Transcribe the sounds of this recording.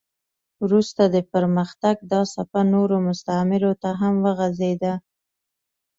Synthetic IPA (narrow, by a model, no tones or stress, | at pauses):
wɾust̪ad̪əpəɾməxt̪aɡ̚d̪ɑsapanoɾomʊst̪amɪɾot̪aɦamwəɣazed̪a